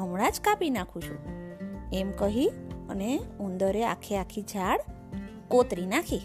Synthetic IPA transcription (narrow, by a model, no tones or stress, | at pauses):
ɦəmɽad͡ʒkapinakʰũt͡ʃʰṵ̃ | emkəɦiə̰neũnd̪əɾea̰kʰːiakʰid͡ʒʱaɽ | kot̪ɾinakʰi